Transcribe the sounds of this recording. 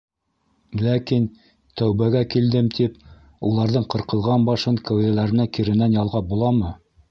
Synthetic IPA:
lækin | t̪æwβæɡækild̪ɘmt̪ʰip | ulˠɑɾðɤɴqɤ̆ɾqɤ̆lˠʁɑnbɑʃɤŋkæwðælæɾɘ̆nækiɾɘ̆nænjɑlˠʁɑbulˠɑmɤ

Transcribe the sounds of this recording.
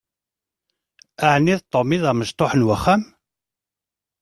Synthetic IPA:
æʕnːiðt̪ˤːomiðæməʃt̪ˤoħənwəχːæm

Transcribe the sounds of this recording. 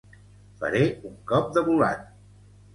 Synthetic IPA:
fə̰ɾeuŋkɔp̚d̪əβula̰t̪̚

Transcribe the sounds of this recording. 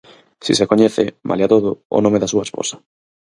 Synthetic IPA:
sisekoɲɛθemʔa̰ljat̪oðʊo̰nõmeðasuaespo̰sḁ

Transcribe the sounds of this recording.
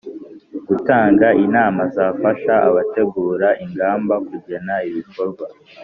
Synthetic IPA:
ɡ̥utaːŋɡaʔinaːmazaːfaʃaa̰βate̞ɡuːɾaʔiŋɡaːmbakuɟenaiβiko̞ɾɡwa

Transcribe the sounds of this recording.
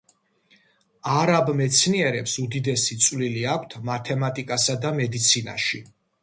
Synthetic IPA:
aɾabmɛt̪sʰniɛɾɛpsud̪id̪ɛsit̪sʼwliliakʷʰt̪ʰmat̪ʰɛmat̪ʼikʼasad̪amɛd̪it̪sʰina̰ʃi

